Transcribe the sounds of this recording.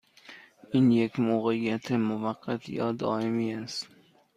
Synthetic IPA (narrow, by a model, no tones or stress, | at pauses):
ʔinjekʲmoɣejːat̪ʰemovaqːat̪ʰjɒ̰ːd̪ɒːemiːæst̪